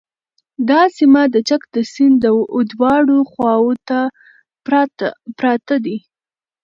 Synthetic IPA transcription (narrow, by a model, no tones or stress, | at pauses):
d̪ɑsimad̪ət͡ʃakd̪əsɪnd̪əod̪wɑɽoxwɑwot̪a | pɾɑt̪ad̪i